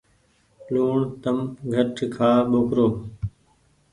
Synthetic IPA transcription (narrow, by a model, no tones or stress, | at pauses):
luːɳt̪əmɡʱəʈʰkʰaːɓoːkɾoː